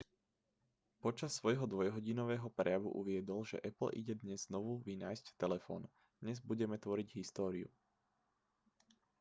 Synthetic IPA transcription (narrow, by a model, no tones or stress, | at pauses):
pɔt͡ʃasːʋɔjɦɔd̪ʋɔjɦɔɟinɔʋɛːɦɔpɾɛjaʋṵʔuʋɪɛd̪ɔlʒɛ̰ʔɛpl̩ʔḭɟɛd̪ɲɛzznɔʋuʋinaːjsct̪ɛlɛfɔ̰ːn | d̪̥ɲɛzbuɟɛmɛt̪ʋɔɾiɟɦist̪ɔːɾiṵ